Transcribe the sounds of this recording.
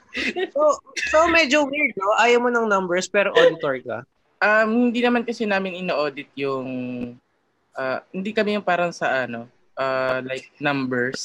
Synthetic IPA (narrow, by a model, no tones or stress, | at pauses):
sosomɛd͡ʒowiɹd̪̚noʔaːjɐwmonɐŋnɐmbɛɹspɛːɾoʔod̪ɪt̪oɹkɐ̰ | ʔɐmhɪnd̪inɐmankɐsɛnaːmɪnɪnɐʔoːd̪ɪt̪̚jʊŋ | ʔaːhɪnd̪ikɐmɛjʊŋpaːɾɐŋsɐʔɐno̞ | ʔaːlajk̚nɐmbɛɹs